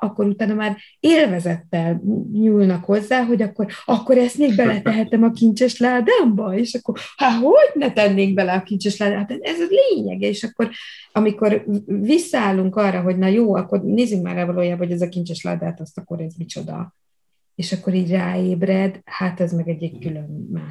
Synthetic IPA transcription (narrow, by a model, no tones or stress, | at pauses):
ʔɒkːo̞ɾut̪aːnɒmaːr | eːlvɛzɛt̪ːɛlɲulnɒkho̞zːaːɦo̞ɟɒkːo̞ɾɒkːo̞ɾɛst̪meːɡ̚bɛlɛt̪ɛɦɛt̪ɛmɒkint͡ʃɛʃlaːd̪aːmbɒeːʃɒkːo̞haɦoɟnɛt̪ɛnːeːŋɡ̚bɛlɛɒkint͡ʃɛʃlaːd̪amhat̪ɛɛzleːɲɛ̰ɡɛeːʃɒkːo̞ɾ | ɒmiko̞rvisːɒaːlːuŋkɒrːɒɦo̞ɟnɒjoːɒkːo̞rneːzyŋkma̰ːravɒloːjaːbɒɦhoɟɛzɒkint͡ʃɛʃla̰ːd̪aːt̪ɒst̪ɒkːo̞ɾɛzmit͡ʃo̞d̪ɒ̰ | eːʃɒkːo̞ɾiːɟraːeːbrɛd̪hat̪ɛzmɛɡɛɟːɛkkylø̞nmaːʃ